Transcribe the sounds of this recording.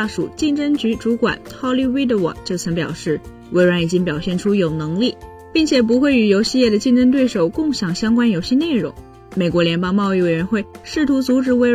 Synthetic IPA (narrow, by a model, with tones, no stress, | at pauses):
ʂṵ˨˩t͡ɕi˥˩ŋʈ͡ʂə˥ŋt͡ɕy˧˥ʈ͡ʂu˧˥kwa̰˨˩˦nxʰɑ˥˧ʊli˥˧wi˥d̪ə˨wɑ̰˨˩ŋt͡ɕjo˥˩ʊt͡sʰɤ˧˥ŋpjɑ̰˨˩ʊʂɻ̩˥˩ | we˧˥ɪɻwa˧˥ni˨˩t͡ɕi˥ŋpjɑ˨˩ʊɕjɛ˥˩nʈ͡ʂʰu˥jo˨˩ʊnɤ˧˥ŋli˥˩ | pi˥˩ŋt͡ɕʰjɛ˨˩p̬u˧˥xwe˥˩ɪy˨˩jo˧˥ʊɕi˥˧jɛ˥˩d̪ə˩t͡ɕi˥˩ŋʈ͡ʂə˥ŋt̪we˥˩ɪʂo˨˩ʊkʊ˥˩ŋɕjɑ˨˩ŋɕjɑ˥ŋkwa˥njo˨˧ʊɕi˥˧ne˥˩ɪɻʊ˧˥ŋ | me˨˩ɪkwɔ˧˥ljɛ˧˥npɑ˥ŋmɑ˥˧ʊi˥˩we˨˩ɪɥɛ˧˥nxwe˥˩ɪʂɻ̩˥˩t̪ʰu˧˥t͡su˧˥ʈ͡ʂɻ̩˧˥we˧˥ɪ